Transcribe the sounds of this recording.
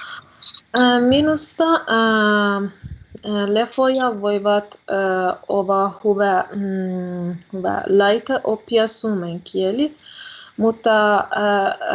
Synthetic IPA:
minust̪ɑ | lefojɑʋojʋɑt̪ | oʋɑhuʋæ | huʋæ̰lɑjt̪eʔopːiɑsuːmeŋkʰieli | mut̪ːɑ

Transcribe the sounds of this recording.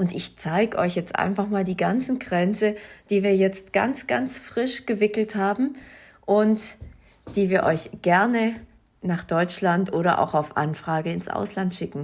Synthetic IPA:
ʔʊntɪçt͡saɪɡəʔɔʏçjɛt͡stʔa̰ɪnfaχmaːldiːɡant͡sn̩ɡʁɛnt͡səd̥iːviːɐjɛt͡stɡ̥a̰nt͡sɡ̥a̰nt͡sfʁ̥ɪʃɡ̥əvɪkl̩thaːbm̩ | ʔʊnt | d̥iːviːɐʔɔʏçɡ̥ɛɐnə | naːχd̥ɔʏt͡ʃlantʔoːɾɐʔa̰ʊxaʊfʔa̰nfʁ̥aːɡəɪnsʔa̰ʊslantʃɪkŋ̩

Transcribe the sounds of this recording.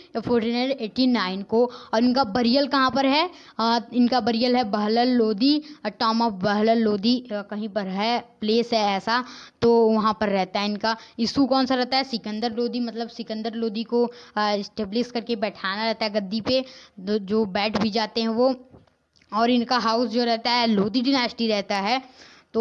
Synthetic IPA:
fʰoːɾʈineɖeːʈinaːɪnkoɔːɾɪnkabɐɾijəlkɐɦãpɐɾɦɛ | ɪnkabɐɾijəlɦɛbɐɦləlːoːd̪iʈɔːmɔfbəɦləlːoːd̪ikɐɦĩpɐɾɦɛpleːsɦɛɛːsat̪oʋɐɦãpɐɾːɛɦt̪aɦɛɪnkaɪskokɔːnsaɾɛɦt̪aɦɛsɪkə̃nd̪əɾloːd̪imɐt̪ləbsɪkə̃nd̪əɾloːd̪ikoɪsʈeːblɪskɐɾkebɛːʈʰaːnaɾɛɦt̪aɦɛɡɐd̪ːiped͡ʒoːbɛːʈbʱid͡ʒaːt̪eɦɛ̃ʋo | ɔːɾɪnkaɦaːʊsd͡ʒoːɾɛɦt̪aɦɛloːd̪iɖɪnaːɾsɪ̥ʈiɾɛɦt̪aɦɛː | t̪o

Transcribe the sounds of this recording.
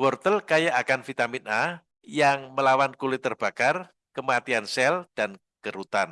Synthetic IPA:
wɔrt̪əlkajaʔakanfit̪amina | jaŋməlawankulɪt̪ːərb̥a̤kar | kəmat̪iansɛld̥an | kəɾut̪an

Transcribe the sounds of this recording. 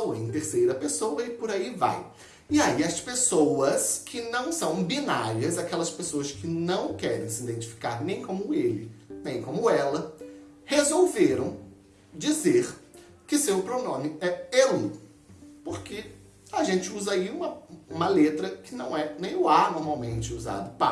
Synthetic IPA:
oḛ̃t̪eɾsejɾɐpesowɐɪpoɾaiva̰j | ɪaiɐspesowɐskʰɪnɐ̃w̃sɐ̃w̃binaɾiɐzakɛlɐspesoɐskɪnɐ̃w̃kɛɾẽj̃sid̪ẽnt͡ʃi̥fi̥ka̰ɾnẽj̃kõmʊelɪ̰nẽj̃kõmʊɛlɐ | hezowveɾɐ̃w̃ | d͡ʒizeɾ | kɪsewʊpɾonõmɪɛelʊ | poɾke | aʒẽnt͡ʃɪuzɐaiũmɐũmɐlet̪ɾɐkɪnɐ̃w̃ɛnẽj̃ʊanoɾmawmẽnt͡ʃɪuza̰d̪ʊpa

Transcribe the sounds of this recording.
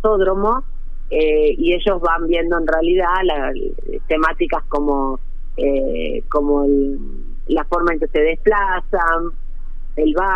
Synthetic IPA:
oðɾomo̞ | eie̞ʒo̞zβambje̞nd̪o̞enrealiðala | ḛt̪e̞mat̪ikasko̞mo̞ | ḛ | ko̞moelː | afo̞ɾmaẽŋke̞se̞ð̞e̞splasan | elβa

